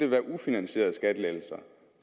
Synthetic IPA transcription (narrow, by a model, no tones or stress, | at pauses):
d̥e̝ʋæɐʔufinænɕe̝̰ːɐð̩ˠsɡ̥æd̥əledl̩sɐ